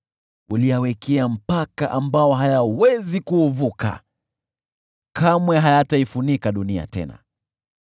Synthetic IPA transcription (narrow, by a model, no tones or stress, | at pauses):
uliawɛkʰɛam̩pakaʔambaɔɦajawɛzikuːvuka̰ | kamwɛɦajataifunikaɗunia̰tɛ̰na̰